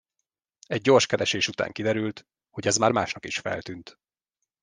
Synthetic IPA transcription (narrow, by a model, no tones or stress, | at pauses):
ɛɟːo̞rʃkɛɾɛʃeːʃut̪a̰ːŋkid̪ɛɾylt̪ | ho̞ɟɛzmaːrmaːʃnɒkiʃfɛ̰lt̪ynt̪